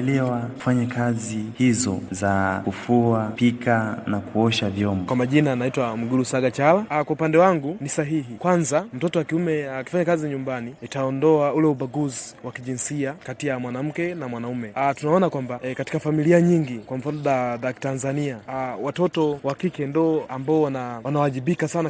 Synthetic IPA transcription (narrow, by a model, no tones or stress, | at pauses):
lɛwau̥faɲakazihizɔzakufuapikʰanakuɔʃavjɔmbɔkwamaʄinanaitwam̩ɡuɾusaɡat͡ʃalakwaupandɛwaŋɡunisaɦiɦikwanzam̩tɔtɔwakiumɛaki̥faɲakaziɲumbaniitaɔndɔaulɛuɓaɡuziwakiʄinsiakatijamwanam̩kɛnamwanaumɛtunaɔnakwambakati̥kafamiliaɲiŋɡikwam̩fanɔɗaðki̥tanzaniawatɔtɔwakikɛndɔambaɔwanawanawaaʄiɓikasana